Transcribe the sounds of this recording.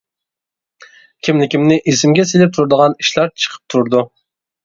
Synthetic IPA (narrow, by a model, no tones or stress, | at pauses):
kʲʰimlɪkʲimnɪʔesɪmɡʲɛselɪp̚t̪ʰuɾd̪əʁɑniʃlˠɑɾt͡ʃʰə̥qʰə̥p̚t̪ʰuɾd̪u